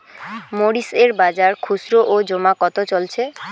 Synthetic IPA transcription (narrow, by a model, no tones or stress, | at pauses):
moɽiseɾbad͡ʑaɾkʰusɾoʔod͡ʑomakɔt̪ot͡ɕolt͡ɕʰe